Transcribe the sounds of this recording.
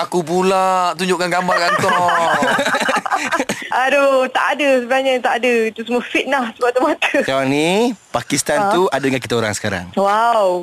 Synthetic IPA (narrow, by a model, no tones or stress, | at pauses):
akubulaʔt̪uɲd͡ʒʊʔkanɡambakant̪ɔ | adot̪a̰ʔadəsəbəaɲət̪aʔadəit̪usəmuəfit̪̚lahsəbaʔ̚t̪umat̪əkawaŋnipakist̪ant̪uadadŋankit̪aoɾa̰ŋsə̥kaɾa̰ŋwaw